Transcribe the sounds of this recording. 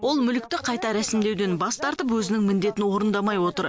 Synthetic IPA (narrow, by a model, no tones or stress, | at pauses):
wo̞lˠmʏlɪk̚t̪ɪqʰɑjt̪ɑɾæsɪmd̪e̞wd̪e̞nbɑst̪ɑɾt̪əpwɵzɪnɪŋmɪnd̪e̞t̪ɪnwo̞ɾənd̪ɑmɑjwo̞t̪əɾ